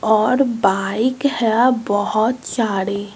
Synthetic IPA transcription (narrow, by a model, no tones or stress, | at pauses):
ɔɾbaikhɛbɔɦɔt̪t͡ʃaɾe